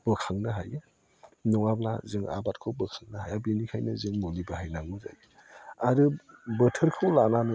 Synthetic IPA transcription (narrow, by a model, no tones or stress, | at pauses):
b̥ɯkʰaŋnaɦaja | nɔŋabla̰zɯŋa̰bat̚kʰɯwbəkʰaŋnaɦajabinikʰajnɯzɯŋmulibaɦajnaŋuza̰ɾi | aɾɯbətʰəɾkʰɯwlananɯ